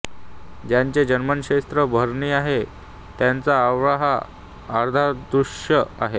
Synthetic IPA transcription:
d͡ʑjaɲt͡ɕed͡ʑənmənɕest̪ɾəbʱəɾɳiːaɦe | t̪jant͡saːʋɾaɦaː | ɾd̪ʱad̪ɾuɕəa̰ɦe

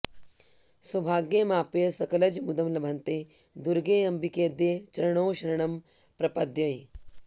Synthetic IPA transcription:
sɐbʱaːɡjemaːpjɐsɐkɐlɐd͡ʒmud̪ɐmlɐbʱɐnt̪eːd̪uɾɡeːɐmbikeːd̪eːt͡ʃɐɾɐɳoːʃɐɾɐɳɐm | pɾɐpɐd̪jɐj

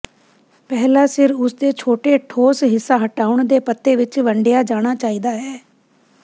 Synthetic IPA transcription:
pɛːlaːsɪɾʊsd̪eːt͡ʃʰoːʈeːʈʰoːsɦɪsːaːɦəʈaːʊɳd̪eːpət̪ːeːʋɪt͡ʃʋəɳɖejaːd͡ʒaːɽ̃aːt͡ʃaːiːd̪aːɦɛː

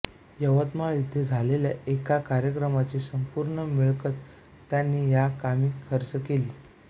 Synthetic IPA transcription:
jəʋət̪maɭit̪ʰːed͡zʱalelja̰ekakaɾjəkɾəmat͡ɕiːsəmpuɾɳəmiɭkət̪ː | janːiːjakamiːkʰəɾt͡səkeliː

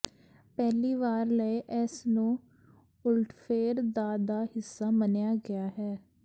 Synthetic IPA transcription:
pɛːliːʋaːɾləeʔɛsnũː | ʊlʈʰfʰeːɾd̪aːd̪aːhɪsːaːmənjaːɡɪjaːɦɛː

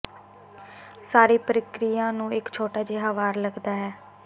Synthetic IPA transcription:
saːɾiːpəɾɪkɾijãːnũːɪkt͡ʃʰoːʈaːd͡ʒeːɦaːʋaːɾləɡd̪aːɦɛː

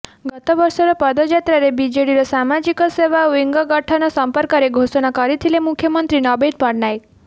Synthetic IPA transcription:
ɡɔt̪ɔʋɔɾsɔɾɔpɔd̪ɔd͡ʒat̪ɾaɾebid͡ʒeɽiɾɔsamad͡ʒikɔseʋaʋiŋɡɔɡəʈʰanɔsəmpəɾkaɾeɡʱosɔnakɔɾit̪ʰilemukʰːjəmənt̪ɾinɔbed̪̚pɔɾnaj

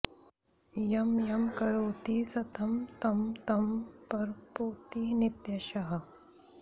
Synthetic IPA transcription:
jɐmjɐmkɐɾoːt̪iːsɐt̪ʰɐmt̪ɐmt̪ɐmpɐɾpoːt̪iːnit̪jɐʃɐɦɐ

